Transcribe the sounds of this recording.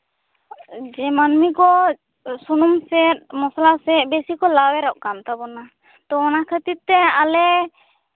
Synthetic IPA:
d͡ʒɛmanmikɔ | sunumsɛt̪̚mɔsalasɛʔ̚besikɔlawɛɾaʔ̚kant̪abɔna | t̪ɔːnakʰət̪it̪̚t̪ːɛalɛ

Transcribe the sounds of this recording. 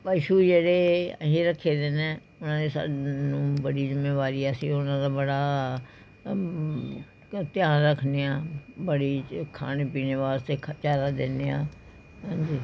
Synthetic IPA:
pəʃuːd͡ʒeːɽeːəɦĩːɾəkʰːeːd̪eːnẽː | ʊnãːneːsa̰ːnũːbəɽiːzɪmeːʋaːɾiːaːsĩːʊnãːd̪aːbəɽaː | t̪jaːnɾəkʰneːãːbəɽiːkʰa̰ːneːpiːneːʋaːst̪eːkʰt͡ʃaːɾaːd̪eːneːãː | ɦə̃d͡ʒiː

